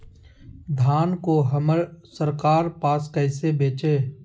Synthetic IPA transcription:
d̪ʱaːnkoɦəməɾsəɾkaːɾpaːskɛɪsebeːt͡ʃeː

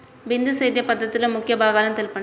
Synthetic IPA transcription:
ʋɪnd̪ɯsɛjd̪jɐpɐd̪ːɐt̪ːɪlɐmʊkːɪjɐbaːɣaːlɐmt̪ɛlpɐɳː

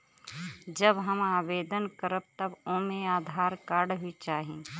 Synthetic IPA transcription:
d͡ʒəbɦəmaːbeːd̪ənkəɾəb̚t̪əbõːmẽaːd̪ʱaːɾkaːɾɖɦʊit͡ʃaːɦi

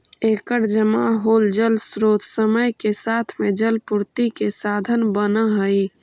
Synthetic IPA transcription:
eːkəɾd͡ʒəmaɦoːld͡ʒəlsɾoːt̪ʰsəməjkesaːt̪ʰmed͡ʒəlpʊɾt̪ikesaːd̪ʱənbənəɦəi

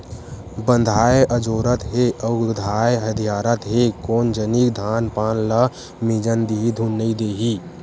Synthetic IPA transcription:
bə̃nd̪ʱaːeʔəd͡ʒoːɾət̪ɦeʔəd̪ʱaːeɦəd̪ʱijaːɾət̪ɦekoːnd͡ʒənikd̪ʱaːnpaːnlə | mid͡ʒənd̪iɦid̪ʱunːəid̪eɦiː

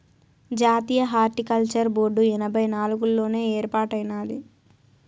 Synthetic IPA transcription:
d͡ʒaːt̪iːjɐɦaːɾʈikɐlt͡ʃɐɾboːɖuɛnɐbʱɐjnaːluɡulːo̞ːne̞ːeːɾpaːʈɐjnaːlḭ

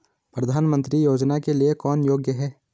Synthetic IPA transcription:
pɾɐd̪ʱaːnmə̃nt̪ɾijoːd͡ʒnakeliekɔːnjoːɡjəɦɛː

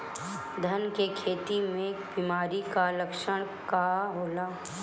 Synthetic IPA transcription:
d̪ʱənkekʰeːt̪imẽbiːmaːɾikaləkʃəɽ̃kaɦoːlaː

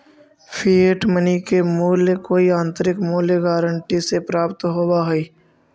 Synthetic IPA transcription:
pʰieːʈmənikemuːljəkoːiãːnt̪əɾɪkmuːljəɡaːɾəɳʈisepɾaːpt̪ɦoːbaɦoiː

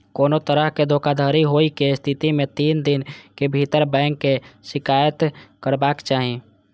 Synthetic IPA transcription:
koːnot̪əɾəɦked̪ʱoːkad̪ʱaːɾiɦoːikest̪ʰɪt̪imẽt̪iːnd̪ɪnkebʱit̪əɾbɛ̃ːŋkːesɪkaːjət̪kəɾbaːkt͡ʃaːɦi

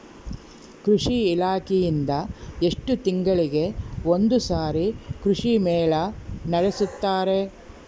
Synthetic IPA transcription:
kɾuʂiːlaːkejind̪ɐe̞ʂʈut̪iŋɡɐɭiɡe̞ond̪usaːɾikɾuʂimeːɭɐnɐɽesut̪ːaːɾe̞

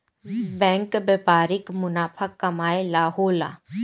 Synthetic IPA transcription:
bɛ̃ːŋkbepaːɾɪkmʊnaːpʰakːɐmaːelaːɦoːla̰ː

